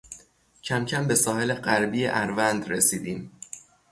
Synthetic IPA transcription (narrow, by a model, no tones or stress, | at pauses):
cʰæmcʰæmbe̞sɒːhe̞le̞ɢæɾbiːjeʔæɾvænd̪ɾesiːd̪iːm